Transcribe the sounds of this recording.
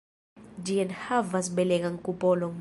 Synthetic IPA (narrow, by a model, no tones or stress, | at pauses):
d͡ʒiɛnhavas̬iɓɛlɛk̬ʼaŋkʼupʼɔlɔŋ